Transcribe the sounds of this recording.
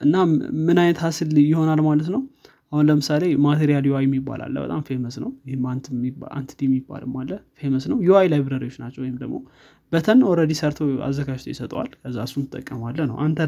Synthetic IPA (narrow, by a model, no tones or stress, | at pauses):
ʔɨnːamɨnajnət̪hasɨljɪho̞nalmalət̪nəw | ʔahunləmɨsalemat̪ʰeɾijaljowajɛmːibːa̰lʔa̰lːə̰bə̰t̪ʼamfeməsnəwɪhmant̪ʰɨmia̰nt̪ʰd̪imːibːa̰lɨmalːəfeməsnəwjowajlajβɾəɾio̞t͡ʃːnat͡ʃːəwɔjɪmd̪əɡmo̞ | b̥ət̪ʰənːwɔɾəd̪isəɾt̪ʰoa̰zːəɡad͡ʒt̪ʰojɪsət̪ʼwa̰lkʰəzːasunɨt̪ʼːəkʼːəmalːənə̰wʔant̪ʰə